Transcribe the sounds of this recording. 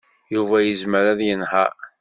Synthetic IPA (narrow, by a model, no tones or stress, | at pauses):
juvæjəzməɾæðjənhæ̰